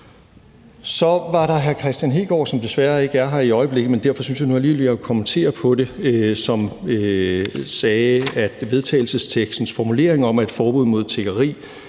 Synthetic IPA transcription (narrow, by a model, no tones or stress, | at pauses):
sɒ̽ʋɑ̈ɾɑ̈ɦæɐkʰʁɛsd̥jænɦe̝ːɡ̥ɒ̰ːsɒ̽md̥e̝sʋæɐe̝ɡ̥əæɐɦɑ̈iɒ̽ɪəb̥le̝ɡ̥ð̩ˠmend̥æɐfɒ̽syn̰s̬jänuæɐliːʋeliɒkʰɒmənt͡sʰe̝̰ːɐpʰɒ̽d̥e̝øsɒ̽mø | sɛːæd̥ʋe̝ð̞ˠt͡sʰɛ̰ɪl̩səst͡sʰeɡ̥sd̥n̩sfɒːmule̝̰ɐeŋɒ̽mæd̥fɒːb̥uð̰ˠmo̝ð̞̰ˠt͡sʰe̝ɡ̥ɐʁḭː